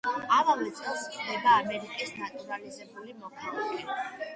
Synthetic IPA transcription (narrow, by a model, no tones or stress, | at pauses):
avavɛt̪sʼɛlˠskʰʼd̪ɛbaːmɛɾikʼisnat̪ʼuɾalizɛbulimɔχʰalˠakʼɛ